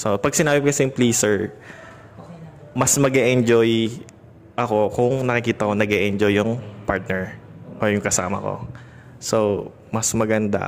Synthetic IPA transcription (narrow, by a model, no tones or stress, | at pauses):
sopɐɡ̚sɪnaːbɪkɐsɛŋpliːsɛɹ | mɐsmɐɡɛʔɛnd͡ʒoj | ʔɐko̞kʊŋnɐkɪkiːt̪ɐko̞nɐɡɛʔɛnd͡ʒojːʊŋpaɹt̪̚nɛɹʔoːjʊŋkɐsa̰ːmɐ̰ko̞̰ | so | mɐsmɐɡɐnd̪a̰